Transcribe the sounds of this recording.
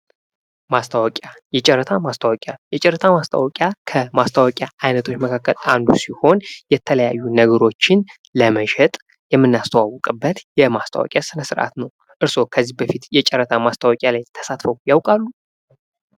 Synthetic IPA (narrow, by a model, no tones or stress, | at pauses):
mast̪ʰawɔkʼjajɛt͡ʃʼɛɾːət̪ʰamast̪ʰawɔkʼjajɛt͡ʃʼɛɾət̪ʰamast̪ʰa̰wɔkʼjakʰəmast̪ʰawɔkʼjaajnət̪ʰo̞t͡ʃːməkʰakːəland̪usiho̞njɛt̪ʰələjajːunəɡəɾo̞t͡ʃːɪn | ləməʃɛt̪ʼ | jɛmːɨnːast̪ʰəwawːɔkʼɨbːət̪jɛmast̪ʰa̰wɔ̰kʼjasɨnəsɨɾʔa̰t̪nəw | ʔɨɾso̞kʰəzːihbəfit̪jɛt͡ʃʼɛɾːət̪ʰamast̪ʰawɔkʼjalajt̪ʰə̥sat̪fəwjawkʼalːu